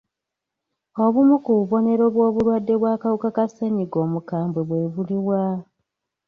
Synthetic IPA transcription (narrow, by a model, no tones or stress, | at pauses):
o̞βumukuβuβo̞ne̞ɾo̞βwo̞ːβuɾwadːe̞βwaːkawukakaseɲiɡo̞ːmukaːmbwe̞βwe̞ːβuliwa